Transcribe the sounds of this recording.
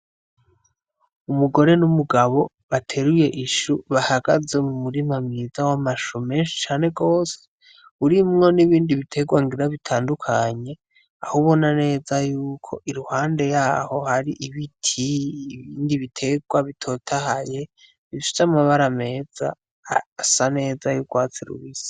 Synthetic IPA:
umuɡo̞ɾe̞numuɡaβo̞ | βatʰe̞ɾuje̞ʔiʃuβahaɡ̥aze̞mumuɾimamŋizawamaʃome̞nʃi̥t͡ʃaːne̞ɡo̞ːse̥ | uɾimŋo̞niβiːndiβitʰe̞ɡwaŋɡiɾaβitʰaːndukʰaɲe̞ | ahuβo̞nane̞ːzajuːkʰo̞̰ʔiɾuhaːnde̞jaːho̞haɾiʔiβitʰiːβiːndiβitʰe̞ɡwaβitʰo̞ːtʰahaje̞ | βifi̥zamaβaɾame̞ːz̥a̰ | sane̞ːzajuɡwaːt͡siɾṵβisi̥

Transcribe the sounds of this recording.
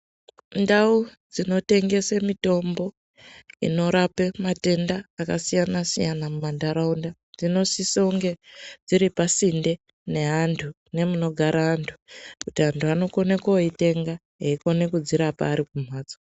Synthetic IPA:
ndaud͡zino̞te̞ŋɡe̞semito̞mbo̞ | ḭno̞ɾapemate̞ndaːkasijanasijanamumandaɾaunda | d͡zino̞sisauŋɡe̞d͡ziɾipasinde̞ | ne̞ɦantʰu | ne̞muno̞ɡʱaɾaɦantʰu̥kutiɦantʰuano̞ko̞ne̞koite̞ŋɡa | ɦeiko̞ne̞kud͡ziɾapa̰ːɾikum̤aːd͡zo

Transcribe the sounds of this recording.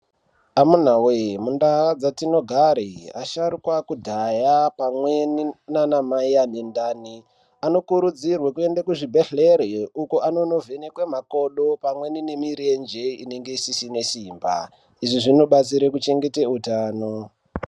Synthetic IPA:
amun̤awemundaɦad͡zatino̞ɡʱaɾia̰ʃaɾukwakudʱajapamweninanamaianendaːni | ano̞kuɾud͡zirwakue̞ndakuʐibʱeɬe̞ɾeukoano̞no̞vʱenekwemako̞ɗo̞pamwe̞ninemiɾend͡ʒe̞ineŋɡeisisine̞simba̰ | iʐiʐino̞ɓat͡siɾekut͡ʃe̞ŋɡe̞teutaːno̞

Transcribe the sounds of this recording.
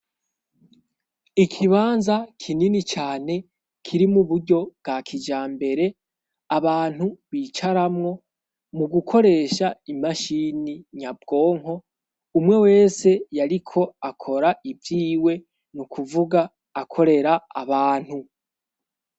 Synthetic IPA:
ikʰiβaːnzakʰininit͡ʃaːne̞ | kʰiɾimuβuɾɟo̞b̥̚ɡakʰid͡ʒaːmbe̞ɾe̞ | aβaːn̥huβiːt͡ʃaɾamŋo̞ | muɡukʰo̞ɾe̞ːʃaimaʃiːniɲab̚ɡo̞ːŋɦo̞ | umŋe̞we̞ːse̞jaɾikʰo̞akʰo̞ɾaivjiːwe̞ | nukʰuvuɡaː | kʰo̞ɾe̞ɾaa̰βaːn̥hu

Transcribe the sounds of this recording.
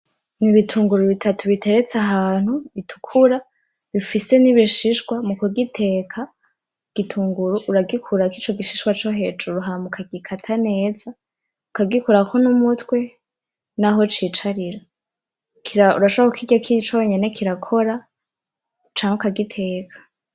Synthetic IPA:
niβitʰuːŋɡuɾuβitʰatʰuβitʰe̞ɾe̞t͡saɦaːn̥huβitʰu̥kʰuɾa | βifise̞niβiʃiʃɡwamukoɡitʰe̞ːkʰa | ɡ̥itʰuːŋɡuɾuʔuɾaɡikʰuɾakit͡ʃo̞ɡiʃiʃɡwat͡ʃo̞ɦe̞d͡ʒuɾuɦamukʰaɡikʰatʰane̞ːza | ukaɡikuɾakʰonumutwe̞ | naɦo̞t͡ʃiːt͡ʃaɾiɾa | kʰiɾaṵɾaʃoβakokʰiɟakʰiit͡ʃo̞ɲe̞ne̞kʰiɾakʰo̞ɾa | t͡ʃaːŋukaɡitʰe̞ːkʰḁ

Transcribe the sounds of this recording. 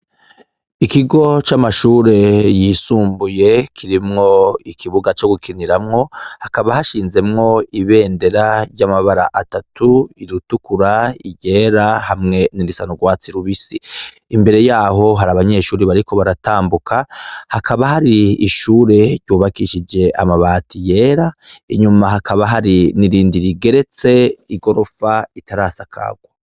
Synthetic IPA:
ikiɡo̞t͡ʃamaʃuːɾe̞jiːsuːmbuje̞kʰiɾimŋo̞ikʰiβuɡat͡ʃo̞ɡukʰiniɾamŋo̞hakaβahaʃiːnze̞mŋo̞iβe̞ːndeɾaɾɟamaβaɾa̰ʔatatuiɾutukuɾaiɟe̞ːɾahamŋe̞niɾisanuɡwaːt͡siɾuβisi | mbe̞ɾe̞jaːɦo̞ɦaɾaβaɲe̞ʃuːɾiβaɾiko̞βaɾataːmbukʰahakʰaβahaɾiːʃuːɾe̞ɾɟuːβakiʃid͡ʒe̞ʔa̰maβaːtije̞ːɾaiɲumaɦakʰaβaɦaɾiniɾiːndiɾiɡe̞ɾe̞t͡se̞iɡo̞ɾo̞faitaɾaːsakʰa̰ɡ̥wo

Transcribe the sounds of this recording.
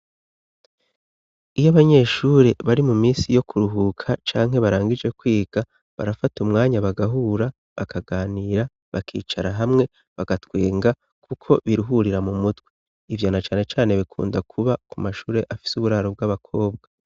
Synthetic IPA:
ijaβaɲe̞ːʃuːɾe̞βaɾimumiːnsijo̞kʰuɾuɦukʰat͡ʃaːŋɦe̞βaɾaːŋɡid͡ʒe̞kwiːɡ̥a | βa̰ɾafatumŋaːɲaβaɡaɦuːɾa | βakaɡaːniːɾa | βakʰḭːt͡ʃaɾaɦamŋe̞ | βaɡatweːŋɡa | kʰukʰo̞βiɾuɦuɾiɾamumutwiː | vjonat͡ʃaːne̞t͡ʃaːne̞βikʰṵːndakʰuβakumaʃuːɾe̞ʔafi̥suβuɾaːɾob̚ɡaβakʰo̞ːb̚ɡa

